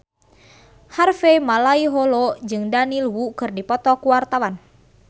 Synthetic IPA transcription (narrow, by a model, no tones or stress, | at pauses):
harfemalaiɦɔlɔd͡ʒɨŋdanilwukɨrdipɔt̪ɔkuwart̪awan